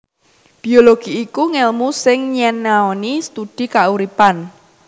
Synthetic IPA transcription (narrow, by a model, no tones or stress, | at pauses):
b̥ioloɡ̥i̤ːkuŋɛlmusɪŋɲɛnaonist̪ud̪̥i̤kaʔuɾipan